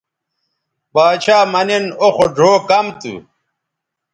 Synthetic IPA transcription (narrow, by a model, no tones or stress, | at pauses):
baːt͡ɕʰaːmɐnenoxoɖʱoːkɐmt̪ṵ